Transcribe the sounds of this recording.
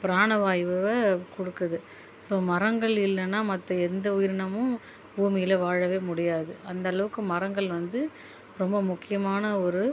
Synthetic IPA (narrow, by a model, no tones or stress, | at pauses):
pɪɾaːɳɐʋaːjʋɯʋɐkɔɽɯkːɐðɯ | soːmɐɾɐŋɡɐɭɪlːɐnːaːmɐt̪ːɐɛnd̪ɐʊjɪɾɳɐmʊ̃ | uːmɪjɪlɐʋaːɻɐʋeːmʊɽɪjaːðɯʔɐnd̪ɐːɭɐʋɯkːɯmɐɾɐŋɡɐɭʋɐnd̪ɯ | ɾɔmbɐmʊkːɪjɐmaːnɐɔɾɯ